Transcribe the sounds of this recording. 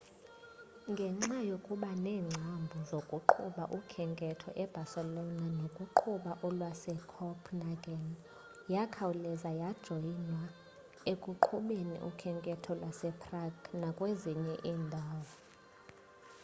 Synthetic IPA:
ŋɡʱɛŋ͡ǁajokʼuɓanɛːŋ͡ǀʱambʱuzokʼuǃʰuɓaʔukʰɛŋkʼɛtʰɔʔɛb̥ʱasɛlɔnanokʼuǃʰuɓaʔɔlwasɛkʰɔpʰnaɡan | jakʰawulɛzajad̥ʒ̥ʱɔinwa | ekʼuǃʰuɓenḭʔṵkʰɛŋkʼɛtʰɔlwasɛpʰʼraɡnakʼweziɲɛʔiːndʱaːwɔ

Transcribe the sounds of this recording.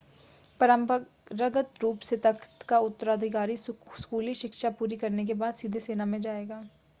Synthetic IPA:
pəɾəmp | ɾəɡət̪ɾuːpset̪əkʰt̪kaʊt̪ːəɾaːd̪ʱɪkaːɾiskuːliʃɪkʃapuːɾikɐɾnek̬ebaːd̪siːd̪ʱeseːnamẽd͡ʒaːeːɡaː

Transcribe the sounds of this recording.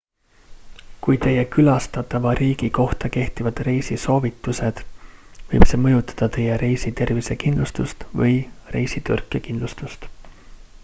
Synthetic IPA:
kujt̪e̞jːe̞kylɑst̪ɑt̪ˑːɑvɑɾiːɡ̥iko̞ht̪ɑke̞ht̪ivɑd̪̥re̞jsiso̞ːvit̪ːˑuse̞d̪̥vɤjb̥se̞mɤjut̪ːˑɑ̥d̪̥ɑt̪e̞jeɾe̞jsit̪e̞rvise̞kind̪lust̪ust̪vɤ̰jre̞jsit̪yrkːˑekind̪lust̪ust̪

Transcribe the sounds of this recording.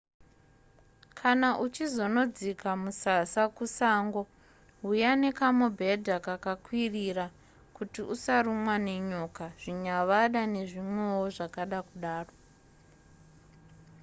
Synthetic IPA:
kʰanaʔut͡ʃizo̞no̞d͡zikamusasakusaːŋɡo | ɦujanekamobʱe̞dʱakakakwirira | kutiusaɾumwane̞ɲo̞kaʐ̥iɲaʋaɗane̞ʐimwe̞woʐakaɗakuɗaːro

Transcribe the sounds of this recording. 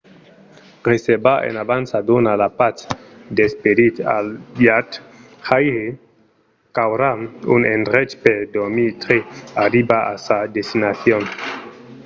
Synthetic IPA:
resebaʔḛnabansadonalapat͡sd̪espedit̪a̰ljat | hajɾe | kawɾamṵnendɾet͡ʃpeɾdoɾmit̪ɾeaɾibaa̰sadestinaθjon

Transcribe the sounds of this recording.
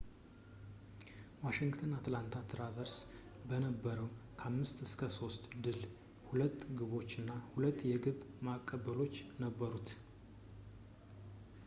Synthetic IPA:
waʃɪŋɡt̪ʰənat̪lant̪ʰat̪ʰɨɾavəɾs | bənəbːəɾəwkʰamːɨst̪ɨskʰəso̞st̪ʼd̪ɨl | hulət̪ːɡɨβo̞t͡ʃːɨnːahulət̪ːjɛɡɨβmakʼːəbəlo̞t͡ʃːnəbːəɾut̪

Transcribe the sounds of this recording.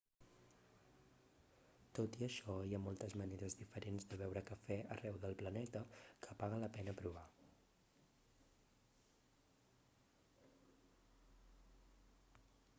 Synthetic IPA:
t̪ot̪iəʃɔiamɔlˠt̪əzməneɾəzðifəɾenzd̪əβɛwɾəkəfɛərɛwðəlˠplənɛt̪əkʰəpaɣ̞ələpɛnəpɾuβ̞a

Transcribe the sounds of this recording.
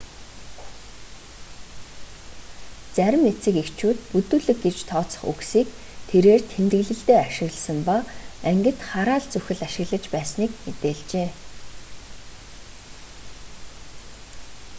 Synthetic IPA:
t͡sæɾʲɪ̆met͡sĭːkekt͡ɕʰuːt̪̚put̪uːɮɘ̆k̚ɡet͡ɕt̪ʰɔːt͡sə̥̆χṵksiːk | t̪ʰeɾeːrt̪ʰemt̪ɘ̆ɣɮɘ̆ɬt̪eːaʃɪ̆ɣɮsə̆mpaæŋɡɘ̆t̪χaɾaːɮt͡sɵxʲɘ̆ɮaʃɪ̆ɣɮə̆t͡ɕpæːsniːkmet̪eːɮt͡ɕeː

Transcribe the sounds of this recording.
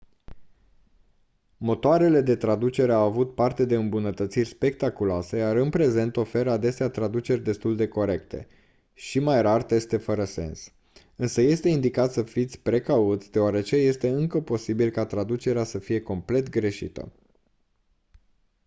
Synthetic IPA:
mo̞t̪oaɾe̞le̞d̪e̞t̪ɾad̪ut͡ʃe̞ɾeawavut̪̚part̪e̞d̪e̞ɨmbunət̪ət̪sirʲspe̞k̚t̪akuloase̞jaɾɨnpɾe̞ze̞nt̪o̞fe̞ɾəad̪e̞seat̪ɾad̪ut͡ʃe̞rʲd̪e̞st̪uld̪e̞ko̞ɾe̞kt̪e̞̰ | ʃimajɾart̪e̞st̪e̞fəɾəse̞̰ns | ɨnsəje̞st̪e̞ind̪ikat̪səfit̪sʲpɾe̞kaut̪sʲd̪e̞oaɾe̞t͡ʃe̞je̞st̪e̞ɨŋkəpo̞sibilkat̪ɾad̪ut͡ʃe̞ɾeasəfije̞ko̞mple̞t̪ɡɾe̞ʃḭt̪ə̰

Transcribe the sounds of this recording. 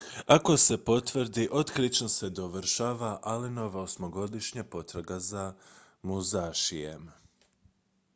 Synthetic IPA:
ako̞se̞po̞t̪ʋr̩d̪iʔo̞t̪kɾit͡ʃnose̞d̪o̞ʋɾʃaːʋaʔalino̞ʋaosmoɡo̞d̪iʃɲapo̞t̪ɾaɡaza | muzaːʃijḛm

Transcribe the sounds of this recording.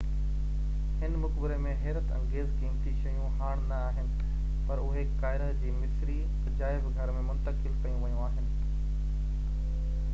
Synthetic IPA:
ɦɪnmʊkbɪɾemẽɦɛːɾət̪ɐ̰̃ŋɡeːzkiːmt̪iʃɐjũɦaːɽ̃nɐaːɦɪnɪ̆ | pɐɾʊɦekaːɪɾət̪d͡ʑiːmɪsɾi | d͡ʑaːɪbɡʱɐɾmẽmʊ̃nt̪əkɪlkɐjũʋɐjũaːɦɪnɪ̆

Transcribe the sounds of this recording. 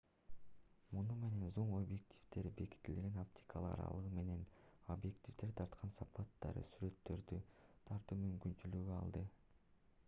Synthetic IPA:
munume̞ne̞nzoɴo̞bje̞k̚tʲʰi̥vd̪e̞ɾbe̞ki̥t̪ːilɡe̞nopt̪ʲi̥kʰalˠɯqɑ̰ɾɑ̰lˠɯʁɯme̞ne̞no̞bje̞kt̪ʲivd̪e̞ɾt̪ʰɑɾt̪qʰɑnsɑpɑt̪ːɑ̰ɾɯ̰syɾe̞t̪ːø̞ɾd̪yt̪ʰɑɾt̪ɯmymkynt͡ʃylyɡyɑ̰lˠd̪ɯ

